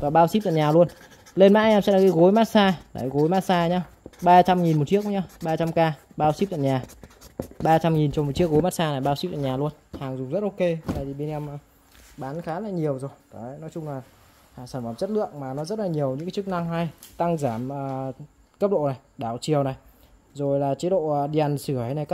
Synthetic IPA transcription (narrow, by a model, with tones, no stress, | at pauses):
vaː˨˩ɓaː˧wsi˦˥p̚t̪aː˧˨ɲaː˨˩lu˧ən | le˧nma̰ː˧˥ʔɛ˧msɛ̰˧˥aː˨˩kːa˨˦ɣo˨˦jmaː˦˥t̚saː˧na̰ː˨˩ɣo˨˦jmaː˦˥t̚saː˧ɲaː˧ | ɓaː˧t͡ɕa˧mŋi˨˩nmo˨˩t͡ɕi˦˥ək̚ʔɲa˧ɓaː˧t͡ɕa˧mkaː˧ | ɓaː˧wsi˦˥p̚t̪a̰ː˧˨ɲaː˨˩ | ɓaː˧t͡ɕa˧mŋi˨˩nt͡ɕɔ˧mo˨˩t̚t͡ɕi˦ək̚ɣo˨˦jmaː˦˥tsaː˧na˨˩jɓaː˧wsi˦˥p̚t̪a̰˧˨ɲaː˨˩lu˧ən | haː˨˩ŋzʊ˨˩ŋ͡mzə˦˥t̚ʔo˧ke˧a˨˩jt̪i˨˩ɓi˧nʔɛ˧mʔː | ɓaː˨˦nxaː˨˦laː˨˩ɲi˨˩əwzo˨˩jta˨˩˨nɔ˨˦jt͡ɕʊ˧ŋ͡mlaː˨˩˨ | saː˧˩nfə˧˩mt͡ɕə˦˥t̚lɨ̰˧˨əŋmaː˨˩nɔ˨˦zə˦˥t̚laː˨˩ɲi˨˩əwɲɨ̰˧˥ka˧˦t͡ɕɨ˦˥k̚na˧ŋha˧jt̪a˧ŋzaː˧˩mʔəː˨ | kə˦˥p̚ɗo̰˧˨na˨˩jɗaː˧˩wt͡ɕi˨˩əwna˨˩j | zo˨˩jlaː˨˩t͡ɕi˨˦ɗo̰˧˨˩ɗi˧˨a˨˩nsɨ˧˩hna˨˩k